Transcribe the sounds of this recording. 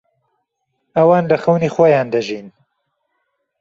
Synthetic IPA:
ɐwaːnlɐxɐwnixwojaːnd̪ɐʒin

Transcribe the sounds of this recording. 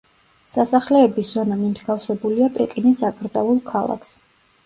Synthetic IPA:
sasaχlɛːbiszɔnamimzɡafsɛbuliapʼɛkʼinisakʼɾd̪zalulˠkʰalˠa̰kʰs

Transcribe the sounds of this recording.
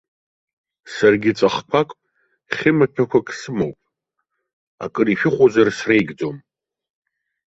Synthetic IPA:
sarɡʲɪt͡sʼaχpʷʰakʷʼpʼ | χʲɪmapʰakʷʰakʼsɨmowpʼ | a̰kʼɨriʃᶣɪχʷozarsrejɡʲd͡zom

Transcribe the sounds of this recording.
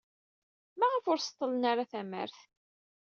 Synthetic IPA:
mæʁəfʊɾst̪ˤːələnaɾaθæmə̰ɾθ

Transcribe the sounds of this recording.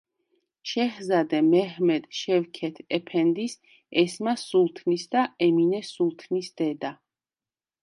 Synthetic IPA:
ʃɛhzad̪ɛmɛɦmɛd̪̥ʃɛvkʰɛt̪ʰɛpʰɛnd̪is | ɛsmasulˠt̪ʰnisd̪aɛminɛsulˠt̪ʰnisd̪̥ɛd̪a

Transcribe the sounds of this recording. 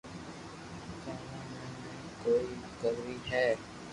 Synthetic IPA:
kaːnãːnẽːñː | koːiːkəɾːiːɦɛː

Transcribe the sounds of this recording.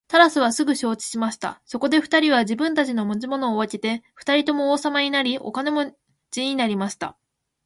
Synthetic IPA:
t̪aɾasɨβasɨɡɯ̟ɕo̞ːt͡ɕi̥ɕimaɕi̥t̪a̰so̞ko̞d̪e̞ɸɯ̟̥t̪aɾʲiβaʑibɯ̟̃nt̪at͡ɕino̞mo̞t͡ɕimo̞no̞ːβakʲet̪e̞ɸɯ̥t̪aɾʲit̪o̞mo̞ːsamaɲ̟inaɾʲiʔo̞̰kane̞mo̞ | d͡ʑiɲinaɾʲimaɕi̥t̪a̰

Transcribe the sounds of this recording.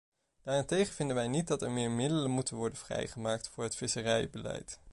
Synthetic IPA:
d̥aːrɪntejχəvɪndənʋɛjnit̚dɑtɛɹmɪːɹmɪdələnmutənʋɔɹdənv̥rɛ̰jχəmaːk̚tfʊːɹɦətfɪsərɛjbəlɛ̰jt

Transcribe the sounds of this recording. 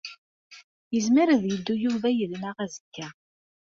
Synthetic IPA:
jəzmiɾæðjəd̪ːujuvæjəlnaʁæzəkːæ

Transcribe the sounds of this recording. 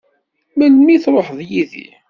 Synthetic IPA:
mælmiθɾˤoħðˤjiðḭ

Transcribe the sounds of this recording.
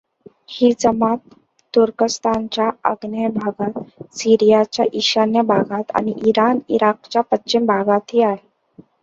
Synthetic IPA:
hiːd͡zəmat̪ː | uɾkəst̪ʰant͡ɕjaə̰ɡnəbʱaɡat̪siɾijat͡ɕja̰ʔiɕanjəbʱaɡat̪a̰ñiʔiɾanḭɾak̚t͡ɕjapətːɕimbʱaɡat̪ɦiaɦe

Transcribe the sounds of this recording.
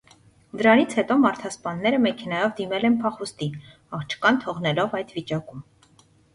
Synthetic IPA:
d̪əɾɑnit͡sʰhɛt̪ɔmɑɾt̪ʰɑspɑnːɛɾəmɛkʰɛnɑjɔvd̪imɛlɛnpʰɑχust̪i | ɑχt͡ʃʰkɑnt̪ʰɔʁnɛlɔvɑjd̪vit͡ʃɑkum

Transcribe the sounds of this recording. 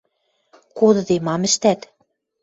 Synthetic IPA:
kod̪ɤ̆d̪emɑmɘ̆ʃt̪æt̪

